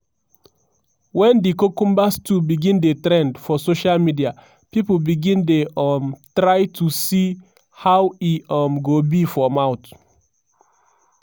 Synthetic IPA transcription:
wɛ̃ndikokũmbastʰubiɡĩndetɾɛ̃ndfɔsoʃalmidia | pipobiɡĩndeɔmtɹaɪtʰusi | hawiɔmɡobifɔmaʊt

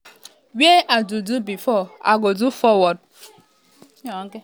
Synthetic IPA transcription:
weʔadudubifɔa̰ɡodufɔwɔd̚

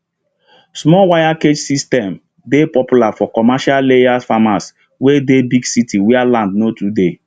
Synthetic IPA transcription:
smɔwajaked͡ʒsistɛ̃m | depɔpjulafɔkɔmaʃallejafamas | wedebiɡsitiwealãndnotude

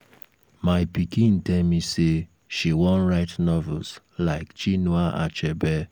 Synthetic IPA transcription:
maɪpikĩn̩tɛmise | ʃiwɔ̃n̩ɾaɪtnɔvɛls | laɪkt͡ʃinuaʔa̰t͡ʃɛbɛ

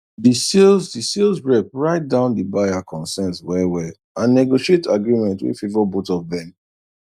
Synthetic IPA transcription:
disilzdisilzbɹɛp̚ɹaɪt̚dãʊ̃ndibaakʰɔ̃nsɛ̃nswɛwɛ | ãnːɛɡoʃietaɡɹimɛ̃ntwḭfivɔbotɔvðɛ̃m

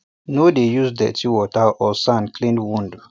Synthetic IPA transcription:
nodejuzdɛ̰tʰiwɔtaɔsãnkʰlĩndwũnd

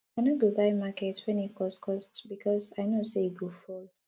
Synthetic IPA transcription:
aɪnoɡobaɪmakɛtswɛ̃nit̚kʰɔskʰɔstbikʰɔsaɪnoseiɡufol

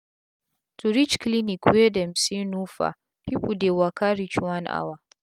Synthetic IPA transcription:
tʰuɾit͡ʃklinikwedɛmsinufa̰ | pipudɛwakaɾit͡ʃwanʔa̰wa

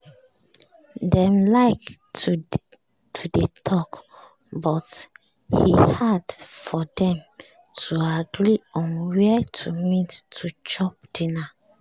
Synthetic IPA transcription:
dɛ̃mlaɪktu | tʰudetʰɔk | bɔt | hihadfɔdɛ̃m | tʰuaɡɾiɔ̃nwɛtʰumitʰːut͡ʃɔp̚d̥ina

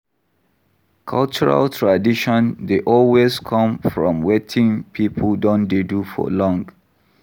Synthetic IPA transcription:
kʰalt͡ʃɔɹa̰ltʰɹadiʃɔ̃ndeʔɔlwezkʰɔ̃mfɹɔ̰̃mwetʰĩŋpʰipʰəldõndedufɔ̰lɔ̃ŋɡ

